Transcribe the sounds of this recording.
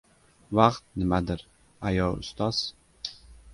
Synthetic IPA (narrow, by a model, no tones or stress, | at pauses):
vaqt̪̚nɪmad̪ɪɾ | ajɒʊ̰st̪ɑz̥